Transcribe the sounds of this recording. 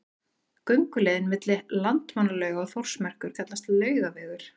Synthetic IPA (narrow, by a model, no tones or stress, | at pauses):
kœɥŋkʏlɛːðɪnmɪt̪lɪlant̪manːalœːɥɣaaɣθor̥smɛr̥kʏɾ̥kʰat̪last̪lœːɥɣavɛːɣʏɾ̥